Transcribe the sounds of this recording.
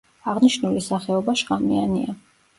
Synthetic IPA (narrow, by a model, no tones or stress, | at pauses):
aʁniʃnulisaχɛɔbaʃʁamiania